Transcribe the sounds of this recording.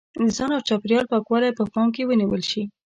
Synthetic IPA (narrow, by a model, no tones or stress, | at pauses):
əzɑnawt͡ʃɑpɾijɑlpɑkwɑlajpəpɑmk̬ewəniwəlʃi